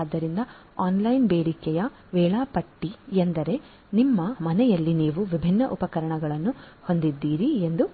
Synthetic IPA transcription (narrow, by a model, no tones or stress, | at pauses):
d̪ːɐɾind̪ɐ | aːnlɐjnbeːɽikɛjɐ | ʋɛːɭaːpɐʈːiend̪ɐɾe̞ | nimːɐmɐnɛjɐlːiniːʋuʋibʱinːɐʔupɐkɐɾɐɳɐɡɐɭɐnːuho̞nd̪id̪ːiːɾiend̪u